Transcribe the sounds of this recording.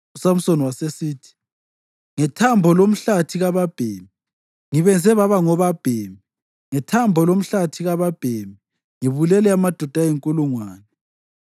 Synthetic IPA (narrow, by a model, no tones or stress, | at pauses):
usam̩soniwasesiːtʰi̥ | ŋɛtʰambʱɔlom̩ɬatʰiɣaβab̥ʱeːmi | ŋiβɛnd͡zʱɛβaβaŋɔβab̥ʱeːmi | ŋɛtʰambʱɔlom̩ɬatʰiɣaβab̥ʱemi | ŋiβulɛlɛamad̥ʱɔd̥ʱajeŋkʼuluŋwaːnɛ